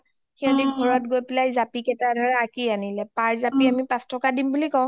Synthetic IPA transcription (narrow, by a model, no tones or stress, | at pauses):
xianɛɡʱɔɹɔt̚ɡojpɛlajzapikɛtadʱɔɹɛakianilɛpaɹzapiamipãstɔkadimbulikɔw̃